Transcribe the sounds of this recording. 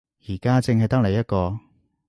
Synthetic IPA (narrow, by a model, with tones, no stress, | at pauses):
jiː˨˩kaː˥t͡sɪ˧ŋɦɐ˨jt̪ɐ˥k̚le˨˩jɐ˥t̚kɔː˧